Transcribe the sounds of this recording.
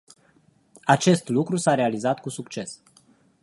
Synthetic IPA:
at͡ʃe̞st̪lukɾusaɾe̞alizat̪kusukt͡ʃe̞s

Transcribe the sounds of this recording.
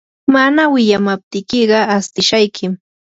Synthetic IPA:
manawɪʎamap̚t̪ɪkɪɢɑast̪ɪʃajkʰɪm

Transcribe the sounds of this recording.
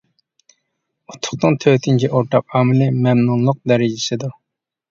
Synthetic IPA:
ot̪ʰʊ̥χt̪ɨŋt̪ʰøːt̪ʰint͡ʃʰiʔoɾt̪ʰɑqɑːmɪlɪmɛmnulˠːʊq̚d̪ɛɾɪd͡ʒɪsɪd̪u

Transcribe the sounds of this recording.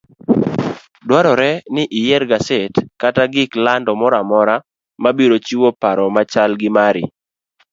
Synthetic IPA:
dwaɾɔɾɛnɪʔɪjɛɾɡasetkataɡɪklandɔmɔɾamɔɾa | mabiɾot͡ʃiwopaɾɔmat͡ʃalɡɪmaɾɪ̰

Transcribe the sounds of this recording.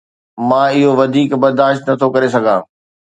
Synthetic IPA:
mãːɪɦoʋɐd̪ʱiːkbɐɾd̪aːʃt̪nɐt̪ʰokɐɾes̬ɐɡʱãː

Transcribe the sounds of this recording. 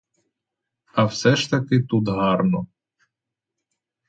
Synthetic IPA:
ɐwsɛʃt̪ɐkɪt̪ut̪ɦɑrnɔ

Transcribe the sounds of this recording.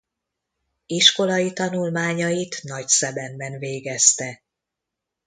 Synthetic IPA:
iʃko̞lɒjit̪ɒnulmaːɲɒjit̪nɒcsɛbɛmbɛnveːɡɛst̪ɛ

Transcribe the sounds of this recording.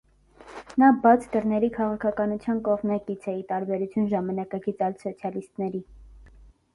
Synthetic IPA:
nɑbɑt͡sʰd̪əɾnɛɾikʰɑʁɑkʰɑkɑnut͡sʰjɑnkɔʁmnɑkit͡sʰɛit̪ɑɾbɛɾut͡sʰjunʒɑmɑnɑkɑɡit͡sʰɑjlsɔt͡sʰjɑlist̪nɛɾi

